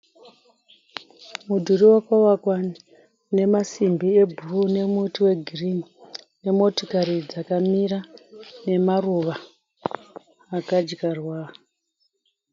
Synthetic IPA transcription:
mudʱuriwakawakwa | ne̞masimbie̞bʱurune̞mutiwe̞ɡʱirim | ne̞mo̞tokaɾid͡zakamirane̞maruʋa | kad͡ʒkarwa

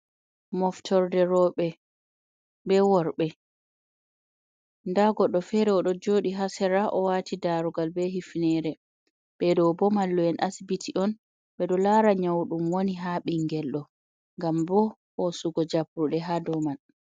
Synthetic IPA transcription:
mɔftʰɔɾdɛɾɔɓɛ | bɛwɔɾɓɛ | ndaɡɔɗːɔfɛɾɛɔɗɔd͡ʒoːɗiɦasɛɾaʔɔwatʰidaɾuɡalbɛɦifnɛɾɛ | ɓɛdɔbɔmalːɔɛnʔasbitʰiʔɔn | ɓɛɗɔlaːɾaɲawɗumwoniɦaɓiŋɡɛlɗɔ | ŋɡambɔː | suɡɔd͡ʒapɾuɗɛɦadɔman

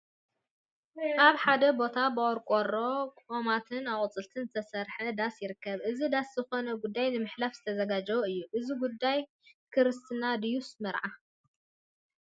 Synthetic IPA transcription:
ʔaβħad̪ɐbo̞t̪ʰabɨʔʼɔɾkʼoɾo̞kʼomat̪ʰɨnawqʼɨt͡sʼɨlt̪ʰɨnzɨt̪ʰɐsɐɾħɐd̪asjɪɾɨkːɐβʔɨzid̪aszɨxo̞nɐɡud̪ːajnɨmɨħlafzɨt̪ʰɐzɐɡad͡ʒɐwoɨjːuʔɨziɡud̪ːaj | kʰɨɾɨst̪ʰɨnad̪ijusmɐɾʕa

